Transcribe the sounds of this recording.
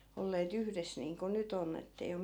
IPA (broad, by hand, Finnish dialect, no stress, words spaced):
olːeːt yhres niːŋko nyt onː etːei om